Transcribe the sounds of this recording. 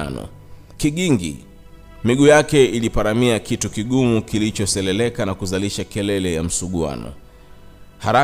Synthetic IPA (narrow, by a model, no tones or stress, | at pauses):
a̰nɔ̰ | kiɠiŋɡḭ | miɠujakɛilipaɾamiakitukiɠumukilit͡ʃɔsɛlɛlɛkanakuzaliʃakɛlɛlɛjam̩suɠua̰nɔ̰ | haɾa